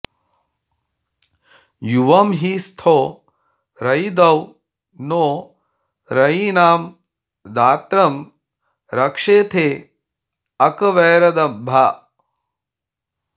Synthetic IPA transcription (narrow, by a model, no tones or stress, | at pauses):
juʋɐmɦiːst̪ʰoː | ɾɐjd̪ɐw | noː | ɾɐiːnaːm | d̪aːt̪ɾɐm | ɾɐkʂeːt̪ʰeː | ɐkɐʋɛːɾɐd̪ɐbʱa